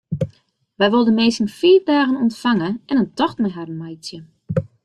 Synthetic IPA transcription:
ʋɛjʋolˠdəmeːsənfiːrdaːɣənɔntfaŋəɛnəntɔxtmɛɦarən̩majsjə

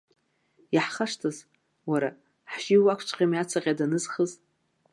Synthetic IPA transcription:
jaħχaʂtʰaz | waɾa | ħʒiwakʷʰt͡ʃʷʼqʲʼamjat͡sʰaqʲʼadanɨzχəz

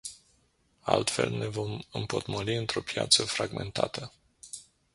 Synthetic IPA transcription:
alt̪fe̞̰lne̞vo̞mɨmpot̪moliɨnt̪ɾo̞pja̰t̪səfɾaɡme̞nt̪at̪ʰə

